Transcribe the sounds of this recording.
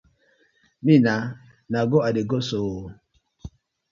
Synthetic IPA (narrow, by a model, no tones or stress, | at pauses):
mina | naɡɔadeɡɔso